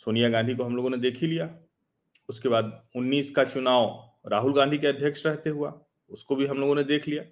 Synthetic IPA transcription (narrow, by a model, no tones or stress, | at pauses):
soːnijaɡãnd̪ʱikoɦɐmloːɡõned̪eːkʰilijaː | ʊskeβaːd̪ʊnːiːskat͡ʃʊnaːʊ | ɾaːɦʊlɡãnd̪ʱikeɐd̪ʱjəkʃɾɛɦt̪eɦua̰ | ʊskobʱiɦɐmloːɡõned̪eːkʰlijaː